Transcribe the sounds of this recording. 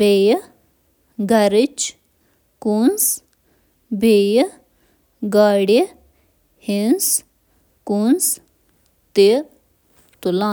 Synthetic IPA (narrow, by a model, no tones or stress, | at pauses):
eːj | ɡɐɾɪt͡ʃ | kuns | bʱeːj | ɡaːɽi | hins | kuns | t̪e | t̪ulaː